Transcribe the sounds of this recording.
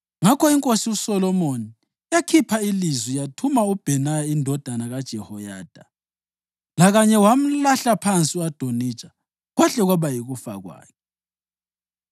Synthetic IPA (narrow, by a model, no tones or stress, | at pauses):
ŋakʰɔiŋkʼosiusɔlɔmoni | jakʰipʰailizwijatʰumaub̥ʱɛnajaindʱɔd̥ʱanaɣad̥ʒ̥ʱɛhɔjaːd̥ʱa | laɣaɲɛwam̩laɬapʰant͡sʼiwad̥ʱoni̥t͡ʃʼḁ | ɣwaɬɛɣwaβajiɣufa̰ɣwa̰ːkʰɛ